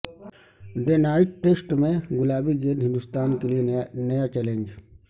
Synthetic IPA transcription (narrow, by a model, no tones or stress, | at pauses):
ɖenaːɪʈ̚ʈeːsʈmẽɡʊlaːbiɡeːd̪ɦɪ̃nd̪ʊst̪aːnkelienɐjat͡ʃɛlẽɲd͡ʒ